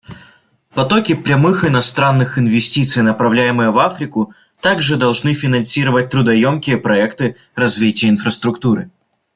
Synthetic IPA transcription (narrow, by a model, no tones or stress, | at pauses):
pɐt̪okʲɪpɾʲɛmɨxɪnɐst̪ɾanːɨxɪnvʲɪsʲtʲit̪sɨjnəpɾɐvlʲæjɪmɨjəvafɾʲɪkʊ | t̪aɡʐɨd̪ɐlˠʐnɨfʲɪnɐnsʲiɾəvət̚ʲt̪ɾʊd̪ɐjomkʲɪjəpɾɐɛkt̪ɨ | rɐzvʲitʲɪjəɪnfɾəst̪ɾʊkt̪uɾɨ